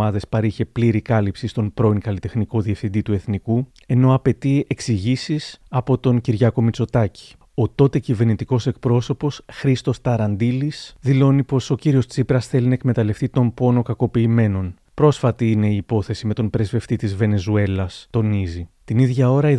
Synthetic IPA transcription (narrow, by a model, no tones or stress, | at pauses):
ɐðe̞spɐɾiçe̞pliɾikɐlipsist̪o̞npɾo̞iŋkɐlit̪e̞xniko̞ðie̞fθind̪it̪ue̞θniku | e̞no̞ɐpe̞t̪ie̞ksiʝisisɐpo̞t̪o̞nciɾʝɐko̞mit͡so̞t̪ɐci̥ | o̞t̪o̞t̪e̞cive̞ɾnit̪iko̞se̞k̚pɾo̞so̞po̞sxɾist̪o̞st̪ɐɾɐnd̪ilisðilo̞nipo̞so̞ciɾio̞st͡sipɾɐsθe̞linɐekme̞t̪ɐle̞ft̪it̪o̞mpo̞no̞kɐko̞piːme̞no̞n | pɾo̞sfɐt̪iine̞iːpo̞θe̞sime̞t̪o̞npɾe̞zve̞ft̪it̪izve̞ne̞zue̞lɐst̪o̞nizit̪iniðʝɐo̞ɾɐi